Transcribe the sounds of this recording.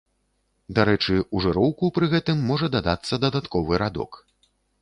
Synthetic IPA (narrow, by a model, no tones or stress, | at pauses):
d̪aɾɛt͡ʂɨuʐɨɾɔwkupɾɨɣɛt̪ɨmːɔʐɐd̪ad̪at̪sːɐd̪ɐd̪at̪kɔvɨɾad̪ɔ̰k